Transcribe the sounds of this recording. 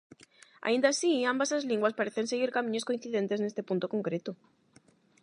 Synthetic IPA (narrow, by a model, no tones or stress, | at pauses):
a̰ind̪asiambaslazliŋɡwaspaɾeθe̞nse̞ɣiɾkamĩɲosko̞in̟θiðe̞nt̪e̞sne̞st̪epũnt̪okoŋkɾe̞t̪o